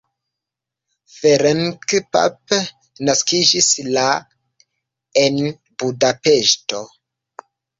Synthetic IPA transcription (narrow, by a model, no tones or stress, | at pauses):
feɾeŋkpa̰p | naskid͡ʒisla | en | budapeʃto